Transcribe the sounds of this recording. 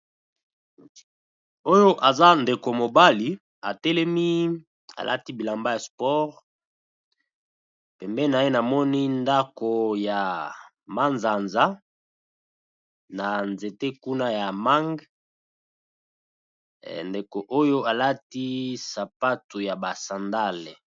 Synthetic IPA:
o˦jo˦ʔa˨za˦nde˨ko˨mo˨ba˦li˨ | a̰˨tɛ˦lɛ˦mi˦ | a̰˨lʔa̰˦ti˦bi˨la˨mba˦ja˨spɔ˦ʁ | pɛ˨mbɛ˦na˨je˦na˨mɔ˦ni˦nda˦ko˨ja˨ | ma˦nza˨nza˦ | na˨nze˨te˦ku˦na˦ja˨ma˦ŋɡ | nde˨ko˨ʔo˦jo˦a˨la˦ti˦sa˨pa˦to˨ja˨ba˨sa˨nda˦˨l

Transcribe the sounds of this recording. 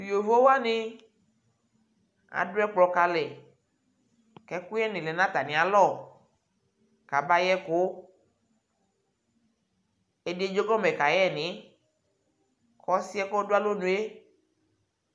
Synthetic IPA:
jo˨vo˦wa˦nĩ˦ | a̰˨dʊ˦ɛ˦k͡plɔ˨ka˨lɛ˨ | kɛ˦ku˦jɛ˦nĩ˨lɛ˨nã˦t̪a˨nĩ˨a˨lɔ˦˨ | ka˨ba˦jɛ˦ko˨˦ | e˦de˦d͡ʒo˦ɡɔ˦mɛ˨ka˨jɛ˦˨nĩ˨˦ | kʰɔ˨˦si˦ɛ˦kɔ˦do˦a˦lo˦nũ˨˦e˦

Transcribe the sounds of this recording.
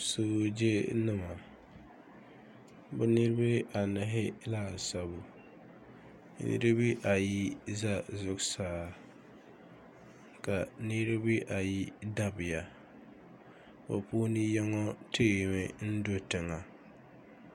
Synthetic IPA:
sɨ˦bd͡ʒe˦nɨ˦ma˨ | bʊ˦nɨ˦ɾɨ˦bɨ˦a˨na˨ɦɪ˦laː˦˨sa˨bʊ˨˦ | nɨ̰˦ɾɨ˦bɨ˦ʔa˨ji˦za˦zʊ˦ksaː˦ | ka˨nɨ˦ɾɨ˦bi˦ʔa˨ji˦da˦bɪ˨ja˨ | bo˨pu˦ni˦jɛ˦ŋɔ˦teɪ˦˨mɛ˨n̩˦do˦tɨ˨ŋa˨

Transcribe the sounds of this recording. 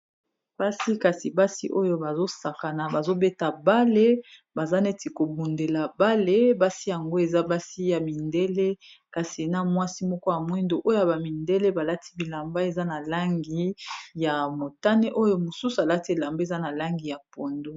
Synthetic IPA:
b̥a˦si˦ka˨si˨ba˦sḭ˦ʔo˦jo˦ba˨zo˦sa˨ka˨na˨ba˨zo˦be˦ta˨ba˦le˦ba˨za˦ne˦ti˨ko˨bu˨nde˨la˨ba˦le˦ba˦si˦ja˨ŋɡo˦e˨za˦ba˦si˦ja˨mi˨nde˦le˦ka˨si˨na˨mwa˦si˦mɔ˦kɔ˦ja˨mwi˦ndo˨ʔo˦jo˦ja˨ba˨mi˨nde˦le˦ba˨la˦tʰi̥˦bi˨la˨mba˦e˨za˦na˨la˦ŋɡi˦ja˨mo˨ta˦ne˦ʔo˦jo˦mo˨su˦su˨a˨la˦ti˦e˨la˨mbe˦e˨za˦na˨la˦ŋɡi˨ja˨po˨ndo˦

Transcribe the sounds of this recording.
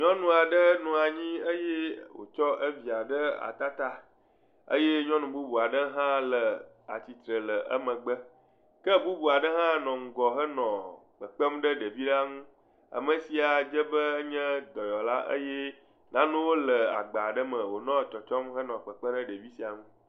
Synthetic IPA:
ɲɔ̃˦nũ˨a˨ɖə˦nũ˨a˨ɲĩ˦ə˦jɛ˦wo̰˨t͡ʃɔ˦ʔə˦vi˨a˨ɖə˦a̰˨t̪a˦t̪a˦ | ə̰˦je˦ɲɔ̃˦nũ˨bu˦bu˨a˨ɖə˦ɦã˦lə˨ | a̰˨t͡ɕi˨t̪ɾə˨lə˨ʔə̰˦mə̃˨ɡ͡bə˦ | kə˦bu˦bu˨a˨ɖə˦ɦã˦nɔ̃˨ŋ̩˨ɡɔ˨ɦə˦nɔ̃˨k͡pə˨k͡pə˦mɖə˦ɖə˨vi˦ɖa˦ŋũ˦ | a̰˨mə̃˨si˨a˨d͡ʒə˦bə˦ɲɛ̃˦d̪ɔ˨jɔ˨la˦ʔə̰˦jɛ˦ | nã˦nũ˦wo˦lə˨a̰˨ɡ͡ba˨ɖə˦mə̃˨wo˨nɔ̃˦˨t̪ɔ˨t͡ʃɔ˦mɦə˦nɔ̃˨k͡pə˨k͡pə̃˦ɖə˦ɖə˨vi˦si˨a˨ŋũ˦

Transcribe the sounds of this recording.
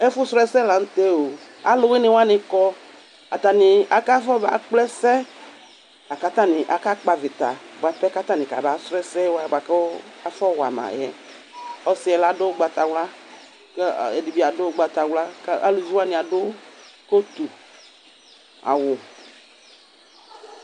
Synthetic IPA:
ɛ˦fʊ˦sɾɛ˦sɛ˦la˨ŋ̩˦t̪e˦o˨ | a̰˨lʊ˨˦wɪ˦nɪ˨˦wa˦nɪ˨kɔ˦ | a˨t̪a˨nɪ˨a˨ka˦fɔ˦ba̰˨k͡plɛ˦sɛ˦ | a˨ka˦t̪a˦nɪ˨ʔa˨ka˦k͡pa˨vɪ˨t̪a̰˨ba˨pɛ˦ka˦t̪a˦nɪ̃˨ka̰˨ba˨sɾɛ˦sɛ˦wa˦˨bʷa˨ka˦fɔ˦wa̰˨ma̰˨jɛ˦ | ɔ˦sɪ˦ɛ˨la˦dʊ˦ɡ͡ba˨t̪a˨wla˦ | kɛ˨di˨bi˦a˨dʊ˦ɡ͡ba˨t̪a˨wla˦kʔa̰˦lu˨zi˦wa˦nɪ̃˨a˨dʊ˦ko˦t̪u˨ | a̰˨wʊ˨

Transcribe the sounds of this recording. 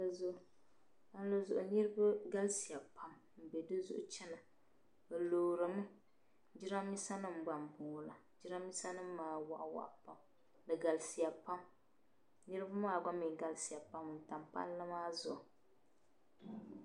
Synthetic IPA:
a˦zʊ˦˨ | a˦n˦la˦zʊ̰˨ʔʊ˨nɨ˦ɾɨ˦ba˦ɡa˦lsi˨ja˨pa˦m | m̩˨bɛ˨dɨ˦zʊ̰˦ʔʊ˦t͡ʃɛ˦na˨ | bɛ˨loː˨ɾɨ˨mɨ˦ | d͡ʒɪ˦ɾa˦mi˦sa˦nɨ˦m̩˨ɡ͡ba˨m˨bʊ˨la˨ | d͡ʒɪ˦ɾa˦mi˦sa˦nɨ˦mː˦aː˦wa̰˨ʔwa̰˨ʔpa˦m | dɨ˨ɡa˨lsi˨ja˨pa˦m | nɨ˦ɾɨ˦ba˦maː˦˨ɡ͡ba˦mĩ˨ɡa˦lsi˨ja˨pa˦mɨ˨ta˨mpa̰˦lːa˦maː˦zʊ˨ʔʊ˨

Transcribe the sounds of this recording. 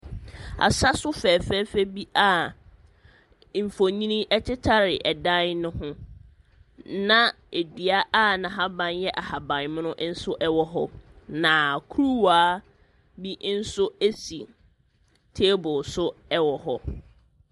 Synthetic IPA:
a̰˨sa˦sʊ˦fɛː˨fɛ˦fɛ˦bi˦ʔa˦˨ | m̩˨fo˨ɲĩ˦nĩ˦ɛ˦tʰɪ˦tʰa˦ɾɪ˨ʔɛ˨dã˦nnʊ̃˦ɦʊ̃˦ | nã˨ | e˨dɥa˦ʔa˦˨nã˨ɦa˦bã˨njɛ˦ʔa˨ha˨bã˨nmɪ̃˦nʊ̃˦ʔn̩˦sʊ˦ʔɛ˦wɔ˦ɦɔ˦nã˨kʰu˦ɾu˦waː˦ | bi˦n̩˦sʊ˦e˦si˨ | tʰe˦bʊ˨sʊ˦ɛ˦wɔ˨ɦɔ˦

